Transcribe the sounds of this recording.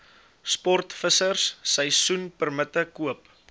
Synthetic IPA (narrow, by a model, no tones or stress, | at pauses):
spɔrtfəsərsːəjsunpərmətəkuəp